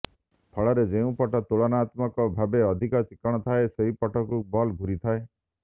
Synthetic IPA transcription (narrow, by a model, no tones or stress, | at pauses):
pʰɔɭɔɾed͡ʒeũpɔʈɔt̪uɭɔnaːt̪mɔkɔbʱabeɔd̪ʱikɔt͡ʃikɔɽ̃ɔt̪ʰaeseɦipɔʈɔkubɔlɡʱuɾit̪ʰae